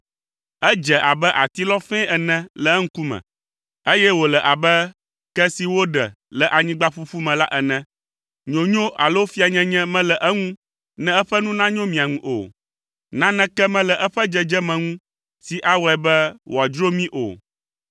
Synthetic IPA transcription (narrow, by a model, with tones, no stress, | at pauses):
ɛ˦d͡ʒɛ˨ʔa˨bɛ˦ʔa˨t̪i˦lɔ˦fɛ̃˦ɛ˨nɛ̃˦lɛ˨˦ŋ̩˦ku˦mɛ̰̃˨ | e˦jɛ˦wo˨lɛ˨ʔa˨bɛ˦ | kɛ˦si˨wo˦ɖɛ̰˨ | lɛ˨ʔa˨ɲĩ˦ɡ͡ba˦ɸu˦fu˦mɛ̃˨la˦ʔɛ˨nɛ̃˦ | ɲõ˨ɲõ˦ʔa̰˨lo˦o˦fi˦a˨ɲɛ̃˦ɲɛ̃˦mɛ̃˦lɛ˨ʔɛ˦ŋũ˦ | nɛ̃˦ɛ˦ɸɛ˦nũ˦nã˦ɲõ˦mĩ˨a˨ŋũ˨ʔo̰˨ | nã˦nɛ̃˦kɛ˦mɛ̃˦lɛ˨ʔɛ˦ɸɛ˦d͡ʒɛ˦˨d͡ʒɛ˦mɛ̃˨ŋũ˦ | si˨ʔa˦wɔ˨ɛ˨bɛ˦wʔo˨a˨d͡ʒɾo˦mĩ˦ʔo̰˨